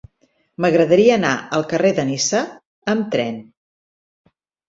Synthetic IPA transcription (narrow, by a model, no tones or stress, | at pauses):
məɣɾəðəɾiəːna̰əlˠkəreðənisə | əmt̪ɾɛn